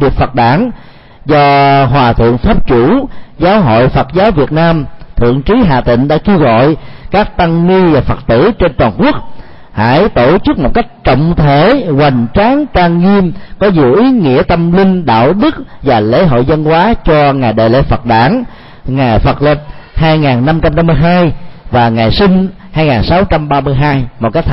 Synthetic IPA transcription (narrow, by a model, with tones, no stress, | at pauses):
vi˨˩ət̚fə˨˩t̚ɗaː˧˥n | zɔ˧ɦwaː˨˩t̪ʰɨ̰˧˨əŋfaː˦˥p̚t͡ɕu˧˩zaː˨˦wɦo̰˧˨jfə˨˩t̚zaː˨˦wvi˨˩ət̚naː˧mt̪ʰɨ̰˧˨əŋt͡ɕi˨˦ɦa̰ː˧˨˩t̪ḭ̈˧˨ŋ̟ɗa̰ː˧˥ki˧əwɣɔ̰˧˨jkaː˦˥k̚t̪a˧ŋŋi˧vaː˨˩fə˨˩t̚t̪ɨ̰˧˩t͡ɕe˧nt̪waː˨˩nku˦˥ək̚ | ha̰ː˧˩˥jt̪o˧˩t͡ɕɨ˦˥k̚mo˨˩t̚ka˦˥jk̟̚t͡ɕə̰˧˨wŋ͡mt̪ʰe˧˩ɣwa˨˩jŋ̟t͡ɕaː˨˦ŋkaː˧ŋŋi˧əmkɔ˨˦zɨ˧˨əʔi˨˦ŋḭ˧˥ət̪ə˧mlï˧ŋ̟ɗa̰ː˧˨wɗɨ˦˥k̚vaː˨˩lḛ˧˥ɦo̰˧˨jzə˧nkwaː˨˦t͡ɕɔ˧ŋaː˨˩jɗə̰ː˧˨jlḛ˧˥˦fə˨˩t̚ɗaː˧˩ŋ | ŋaː˨˩jfə˨˩t̚li˨˩p̚haː˧jŋaː˨˩nːa˧mt͡ɕa˧mna˧mːɨ˧jɦaː˧jvaː˨˩ŋaː˨˩jsi˧ŋ̟ | haː˧jŋaː˨˩nsa˨˦wt͡ɕa˧mɓaː˧mɨ˧əjɦaː˧jmo˨˩t̚ka˦˥k̚